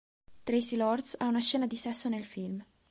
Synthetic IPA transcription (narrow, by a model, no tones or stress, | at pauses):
t̪ɾejsilɔrd̪saunaʃɛːnad̪isɛsːonelfilm